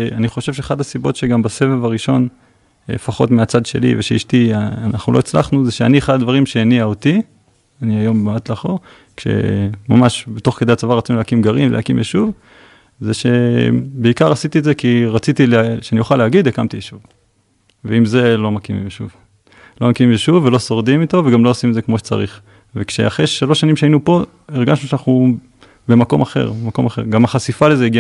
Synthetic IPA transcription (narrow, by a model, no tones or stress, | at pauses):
aniχo̞ʃevʃeeχad̪asibo̞tʃeɡambase̞vevaʁiʃo̞n | efaχo̞tmeat͡sad̪ʃe̞̰lḭveʃeḭʃtiaanaχnulo̞it͡sla̰χnuzeʃeanieχad̪ad̪vaʁimʃeeniaot̪i | aniajo̞mbeat̪laχoʁ | kʃe̞̰mamaʃbet̪o̞χke̞d̪eat͡savaʁat͡sinuleakimɡaʁivlehakimjeʃuv | zeʃe̞beikaʁasit̪ietzekiʁat͡sit̪ileʃeanijuχalehaɡid̪ekamt̪iʃuv | veimze̞lo̞makimḭmeʃuv | lomakimimlʃuvːelo̞so̞ʁd̪imit̪o̞veɡamloosimetzekmo̞ʃet͡sa̰ʁiχ | vekʃḛaχʁeʃalo̞ʃːanimʃeainupo̞ | eʁɡaʃnuʃanaχnu | be̞mako̞maχe̞̰ʁemako̞̰maχe̞̰ʁɡamaχasifalezeiɡia